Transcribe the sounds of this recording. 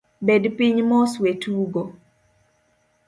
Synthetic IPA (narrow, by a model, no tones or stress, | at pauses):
bedpiɲmɔswetuɡo